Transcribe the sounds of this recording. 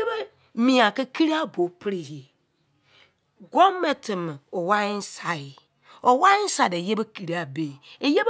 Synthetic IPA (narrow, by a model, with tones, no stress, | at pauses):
be˦ | mĩ˨a˨ke˦kʰi˦ɾi˦a˦bo˨pʰɾi˦˨he˨ | ɡɔ˦mɛ˨tʰɪ˨m˨ɔ˨wa˦ɪ˦n̩˦sa˨jɪ˨ | ɔ˨wa˦ɪ˦n̩˦sa˨de˨je˦be˦kʰi˨ɾi˦a˨be˨e˨je˦b